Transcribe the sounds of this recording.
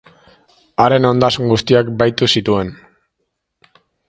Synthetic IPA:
aɾe̞no̞nd̪asŋɡust̪iakbajt̪usit̪ue̞n

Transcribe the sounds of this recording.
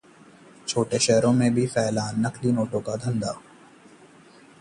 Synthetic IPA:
t͡ʃʰoːʈeʃɛɦɾõmẽbʱifɛːlaːnːəklinoːʈõkad̪ʱɐ̃nd̪aː

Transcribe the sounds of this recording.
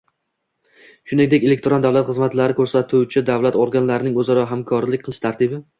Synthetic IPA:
ʃʊnɪŋd̪ekʲe̞le̞k̚ʲt̪ɾond̪avlˠat̪χɨzmat̪laɾɪkʰɵɾsat̪ʰʊt͡ʃʰɪd̪avlat̪oɾɡanlaɾɪnɪŋɵzɒɾɒɦamkʰɒɾlɪk̚ʲqɨlˠɪʃt̪ʰaɾt̪ʰɪbɪ

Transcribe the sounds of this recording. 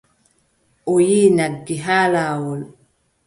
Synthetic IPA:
ʔojinaɡiɦaːlaːwɔl

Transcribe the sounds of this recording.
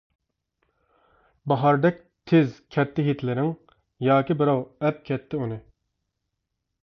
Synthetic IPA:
bɑɦɑɾd̪ɛk̚ʲ | t̪ʰɪzkʲʰɛt̪ʰːɪɦit̪ʰlɪɾɪŋ | jɑːkʲibɪɾɑwɛp̚kʲʰɛt̪ʰːɪunɨ

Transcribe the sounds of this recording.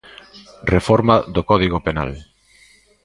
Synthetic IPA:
refɔɾmaðokɔðiɣopena̰l

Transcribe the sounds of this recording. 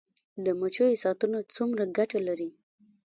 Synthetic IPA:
d̪əmat͡ʃojosɑt̪unot͡sumɾaɡaʈalaɾi

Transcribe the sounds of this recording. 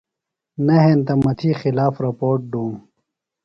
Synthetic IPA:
nɐɦent̪ɐmɐt̪ʰiːxilaːfɾɐpoːɾʈ̚ɖuːm

